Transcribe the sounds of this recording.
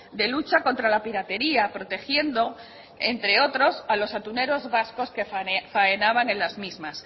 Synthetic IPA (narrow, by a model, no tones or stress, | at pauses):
d̪e̞lut͡ʃako̞nt̪ɾalapiɾat̪e̞ɾiapɾot̪e̞xje̞nd̪o̞ | e̞nt̪ɾe̞o̞t̪ɾo̞salo̞sat̪une̞ɾozβasko̞skefaenaβ̞aŋẽ̞lazmizmas